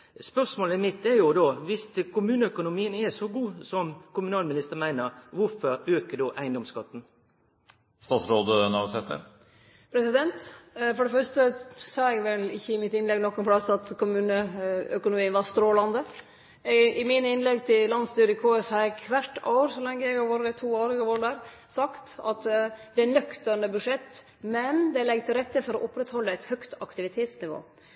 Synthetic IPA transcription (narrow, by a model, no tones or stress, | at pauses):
spœʁsmoːləɪmɪt̪ːɛjʊd̪oːʋɪst̪kʰʊmʉːnəœkʊnʊmiːənɛsɔɡuːsɔmkʰʊmʉnɑːlmɪnɪst̪əʁmæɪnəɾʋʊɾfɔɾøːkəd̪ɔʔæɪnd̪ɔmskɑt̪ːn̩ | st̪ɑːt̪sɾoːd̪ənɑʋsɛt̪ːə̰ɾ | pʰɾɛsɪd̪ɛnt̪fɔɖɛfœʂʈəsɑːɛɡʋɛlɪçːəɪmɪt̪ɪnlɛɡnɔkːʊnpʰɽɑsɑt̪kʊmʉːnəœkʊnʊmiːənʋɑɾst̪ɾoːlɑnd̪ə | ʔɪmɪnəɪnlɛɡt̪ʰɪllɑnst̪yːɾɪkʰoːəshɑɾɛkʰʋæʈːo̰ʊɾsɔlɛŋːəjæɪɡɑʋoːɾəɛt̪ʰuːoːɾɪɡɑʋoːɾəd̪æɾ | sɑkt̪ɑt̪d̪ɛænœkt̪əɳəbʉʂɛt̪ː | mɛnd̪ɛlɛɡt̪ʰɪlɾɛt̪ːəfɔɾɔʔʊpɾɛt̪hɔlːəæt̪hœkt̪ɑkt̪ɪʋɪt̪ʰeːt̪snɪʋo̰ː